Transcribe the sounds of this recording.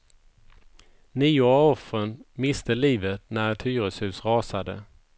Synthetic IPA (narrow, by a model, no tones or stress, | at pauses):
niːʊɔfɾənmɪst̪əliːvət̪næɾɛt̪hyːɾəshʉ̟ːsɾɑːsad̪ə̰